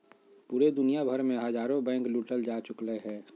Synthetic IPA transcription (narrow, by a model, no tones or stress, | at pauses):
puːɾed̪ʊnijabʱəɾmẽɦəd͡ʒaːɾõbɛ̃ːŋkluːʈəld͡ʒaːt͡ʃʊkləɦɛː